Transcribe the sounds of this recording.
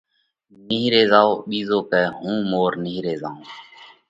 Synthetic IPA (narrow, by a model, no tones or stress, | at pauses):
niːɾeːzaːoːɓiːzoːkɛːɦũːmoːɾniɦɾeːzaːõː